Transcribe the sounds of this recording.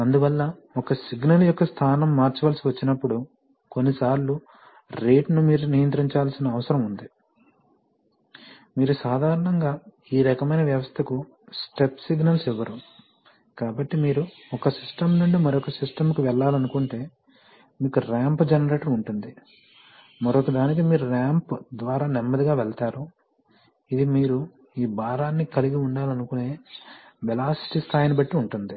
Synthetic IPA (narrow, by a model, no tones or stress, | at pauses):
ɐnd̪uʋɐlːɐ | ɔkɐsiɡnɐljɔkːɐst̪ʰaːnɐmːaːɾt͡ʃɐʋaːlɐsiʋɐt͡ʃːinɐpːuɽu | konːisaːɾlu | ɾe̞ːʈnumiːɾunijɐnt̪̬ɾiɲt͡ʃaːlsinɐːʋɐsɐɾɐmund̪i | miːɾusaːd̪ʱaːɾɐɳɐŋɡaː | iːɾɐkɐmɐjnɐʋjɐʋɐst̪ʰɐku | sʈepsiɡnɐlsiʋːɐɾu | kaːbɐʈːimiːɾu | ɔkɐsisʈɐmnuɳɖumɐɾɔkɐsisʈɐmkiʋɛɭːaːlɐnukuɳʈe̞ː | miːkuɾaːmpd͡ʒɛnɐɾe̞ːʈɐɾuɳʈund̪i | mɐɾokɐd̪aːnik̬imiːɾuɾaːmpd̪ʋaːɾaːnɛmːɐd̪iɡaːʋɛɭɐt̪aːɾu | id̪imiːɾu | iːbaːɾaːnːikɐliɡiuɳɖaːlɐnukune̞ːʋɛlaːsi̥ʈist̪ʰaːjɐnibɐʈːiuɳʈund̪i